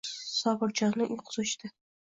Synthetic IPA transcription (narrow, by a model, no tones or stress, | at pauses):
sɒbɪɾd͡ʒɒnnɪʔʊjqʰʊzɨʃt̪ɪ